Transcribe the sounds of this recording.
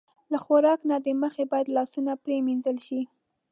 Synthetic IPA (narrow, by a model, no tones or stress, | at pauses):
laxoɾɑknad̪əməxebɑjad̪lɑsunapɾeminzəlʃi